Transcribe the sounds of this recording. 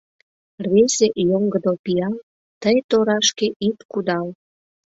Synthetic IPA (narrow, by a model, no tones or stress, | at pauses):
rβeseʔjoŋɡəd̪opiɑl | t̪əjt̪oɾɑʃkeʔit̪kud̪ɑl